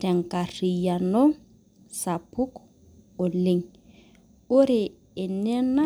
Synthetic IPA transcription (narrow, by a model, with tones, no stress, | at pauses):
tɛ˨ŋ˨ka˨ri˨ja˨no˦ | sa˨pʰu˦k | o˨le˨ŋ | ʊ˦ɾɪː˨ | nɛ˦na˦